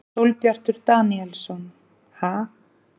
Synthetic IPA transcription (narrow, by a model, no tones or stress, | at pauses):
sowlpjar̥t̪ʏɾt̪aːniɛlsɔn | ha